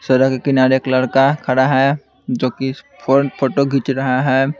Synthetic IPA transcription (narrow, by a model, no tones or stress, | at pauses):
sɐɾəkekɪnaːɾekləɽkakʰɐɽaɦɛ | d͡ʒoːki | pʰoːʈoɡʱit͡ʃɾɐɦaɦɛː